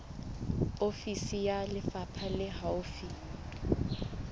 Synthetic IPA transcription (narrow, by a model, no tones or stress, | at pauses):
ofisijalɪfapʰalɪɦaʊfi